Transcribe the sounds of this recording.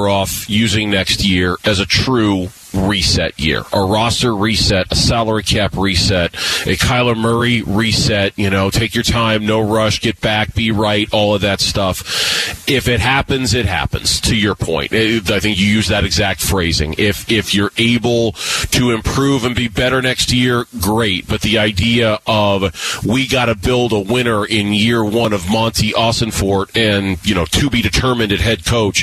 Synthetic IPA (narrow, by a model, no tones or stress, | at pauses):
ɔfjʉzɪ̃ŋnɛkst̚jɪɹɨzɨtʰɹ̥ʉ | ɹisɛ̰ʔ̚jɪ̰ɹʔəɹɑsə˞ɹisɛɾəsælˠə˞ikʰæpɹisɛɾ̚ʔɨkʰaɪlˠəmɜ˞iɹisɛt̚jɨnoʊtʰeɪkjə˞tʰãɪ̃mnoʊɹʌʃɡ̥ɛt̚b̥æk̚b̥iɹaɪɾɔlˠʌvðɨtstʌf | ɪfɨt̚ɦæpɨ̃nzɨt̚ɦæ̰pɨ̰̃nz̥tʰɨjə˞pʰɔ̰̃ɪ̃ntaɪθɪ̃ŋkjɨjʉzðɨɾɨɡzæk̚tfɹeɪzɪ̰̃ŋɪfɪfjə˞ʔeɪbl̩ˠtʰɨɨ̃mpʰɹ̥ʉvɨ̃nbibɛɾə˞nɛkst̚jɪɹɡɹeɪt̚b̥ʌt̪̚ðiaɪdiɨʔʌvwiɡɑɾɨbɪlˠdəwɪ̃ñə˞ʔɪ̃njɪɹwʌ̃nʌvmɑ̃ntʰiʔɑsɨ̃nfɔɹɾɨ̃njɨnoʊtʰɨbidɨtʰɜ˞mɨ̃ndɨt̚ɦɛd̚kʰoʊt͡ʃ